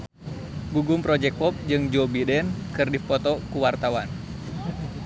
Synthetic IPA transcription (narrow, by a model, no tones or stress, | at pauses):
ɡuɡumpɾɔd͡ʒɛk̚pɔp̚d͡ʒɨŋd͡ʒobidɛnkɨrdifɔt̪ɔkuwart̪awan